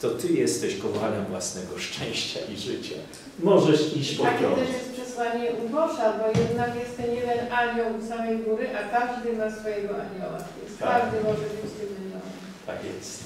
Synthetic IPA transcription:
t̪ɔt̪ɘjɛst̪ɛɕkɔvalɛmvwasnɛɡɔʂt͡ʂɛ̃w̃ɕt͡ɕa̰ʔiʐɘt͡ɕa̰ | mɔʐɛʂiɔakt̪ɛʂjɛst̪pʂɛswaɲɛʔubɔʂabɔjɛd̪nakjɛst̪ɛnjɛd̪ɛnaɲɔwsamɛjɡuɾɘʔakaʐd̪ɘmasfɔjɛɡɔʔaɲɔwa̰vʲɛ̰nskaʐd̪ɘmɔʐɛbɘt͡ɕt̪ɪmnɪnɔ | t̪a̰kjɛ̰st̪

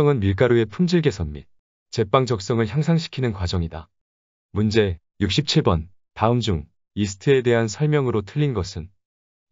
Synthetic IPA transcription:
ʌŋɯnmiɭk̬͈aɾue̞pʰumd͡ʑiɭɡe̞sʰʌmːḭ | t͡ɕe̞p͈aŋd͡ʑʌk̚s͈ʌŋɯɭçjaŋsʰaŋɕʰi̥kʰinɯnkwad͡ʑʌŋida | mund͡ʑe̞ | juk̚ɕ͈ʰip̚t͡ɕʰiɭbʌn | taɯmd͡ʑuŋ | isʰɯ̥tʰɯe̞de̞ɦansʰʌɭmjʌŋɯɾotʰɯʎːinɡʌsʰɯn

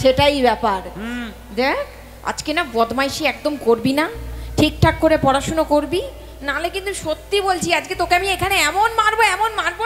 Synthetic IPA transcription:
ʃeʈajbɛpaɾ | d̪ekʰ | a̰d͡ʑkenabɔd̪ʱmajʃiɛk̚d̪omkoɾbinaʈʰik̚ʈʰakːoɾepɔɾaʃonokoɾbi | nalekint̪uʃot̪ːibolt͡ɕʰiad͡ʑɡet̪okeamiekʰaneɛmonmaɾboɛmonmaɾbo

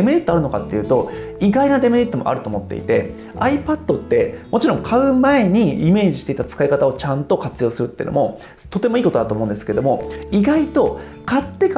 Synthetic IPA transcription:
emeɾʲit̪ːoaɾɯ̟no̞ka̰t̪ːe̞jɯ̟ːt̪o̞iɡainad̪e̞meɾʲit̪ːomo̞̰ʔa̰ɾɯ̟t̪oːmo̞t̪ːe̞̰ḭt̪e̞ | aipad̪̥ːo̞t̪ːe̞mo̞t͡ɕiɾõ̞ŋkʰaɯ̟mae̞ɲ̟iime̞ːʑiɕit̪e̞it̪at͡sɨ̥kaikat̪ao̞t͡ɕãnt̪o̞kat͡sɨjo̞ːsɨɾɯt̪ːeiɯ̟̰no̰mo̞ | t̪o̞t̪e̞moiːko̞t̪o̞d̪at̪oːmo̞ɯ̃nd̪esɨ̥keed̪omo̞iɡait̪o̞ | kat̪ːe̞k

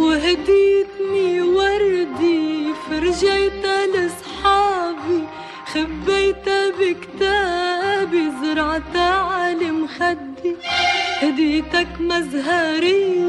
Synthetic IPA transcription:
wɪɦad̪iːt̪niwɑɾˤd̪ifɪɾʒajt̪alɪsˤħɑːbi | xabːejt̪abɪkt̪aːbizʊɾˤʕt̪aːʕalɪmxad̪ːihad̪iːt̪akmazɦaɾɪj

